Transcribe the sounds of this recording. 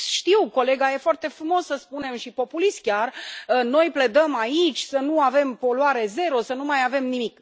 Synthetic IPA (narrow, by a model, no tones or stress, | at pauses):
ʃt̪iwko̞le̞ɡaje̞foart̪e̞fɾumo̞sːəspune̞mʃipo̞pulist̪̚kʲarəno̞jple̞d̪əmait͡ʃʲsənuave̞mpo̞luaɾe̞ze̞ɾo̞sənumajave̞mnimik